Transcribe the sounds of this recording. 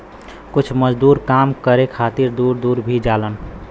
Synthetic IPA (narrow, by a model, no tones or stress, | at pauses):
kʊt͡ʃʰməd͡ʒd̪uːɾkaːmkəɾekʰaːt̪iɾd̪uːɾd̪uːɾbʱid͡ʒaːlən